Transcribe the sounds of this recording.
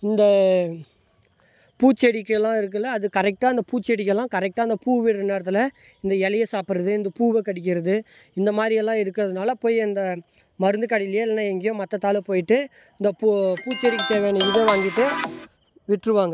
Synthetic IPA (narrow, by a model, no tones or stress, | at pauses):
ɪnd̪ɐ | puːt͡ʃːɛɽɪkːlːãːɪɾɯk̬ːɯlːɐːðɯkɐɾɛk̚ʈaːɪnd̪ɐpuːt͡ʃːɛɽɪk̬ːɛlːãːkɐɾɛk̚ʈaːɪnd̪ɐpuːʋɪɾɯneːɾɐt̪ːɪl | ɪnd̪ɐɛlɐjɐsaːpɪɾɐðɯɪnd̪ɐpuːʋɛkɐɽɪk̬ʲːɪɾɐðɯ | ɪnd̪ɐmaːd̪ɾɪjɛlːãːɪɾɯkːɯɐðɯnaːlɐpoːjɐnd̪ɐ | mɐɾɯnd̪ɯkɐɽɪlɪjeːɪlːɐnːãːɛŋɡɛjõmɐt̪ːɐt̪ːaːlɛpoːjɪʈːɯ | ɪnd̪ɐpupuːt͡ʃːɛɽɪkːɯt̪eːʋeːnɯɪðɐʋaːŋɡɪʈːɯ | ʋɪʈrɯʋaːŋɡɐ